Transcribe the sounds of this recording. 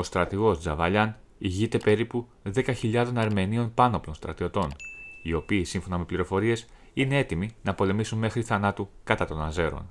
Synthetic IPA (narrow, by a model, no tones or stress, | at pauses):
o̞st̪ɾɐt̪iɣo̞sd͡zɐvɐʎɐn | iʝit̪e̞pe̞ɾipu | ðe̞kɐçiʎɐðo̞nɐɾme̞nio̞npɐno̞plo̞nst̪ɾɐt̪io̞t̪o̞nio̞piːsiɱfo̞nɐme̞pliɾo̞fo̞ɾie̞s | ine̞e̞t̪iminɐpo̞le̞misunme̞xɾiθɐnɐt̪ukɐt̪ɐt̪o̞nɐze̞ɾo̞̰n